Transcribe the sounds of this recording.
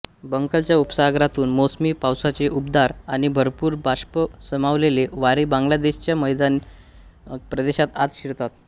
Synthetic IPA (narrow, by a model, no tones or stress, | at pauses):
bəŋkəlt͡ɕjaupsaɡɾat̪uːnmosmiːpawsat͡seʔupd̪aɾañibʱəɾpuːɾbʱaɕpəsəmaʋleleʋaɾibãŋɡlad̪eɕt͡ɕjaməjd̪an | pɾəd̪eɕat̪at̪ɕiɾt̪at̪̚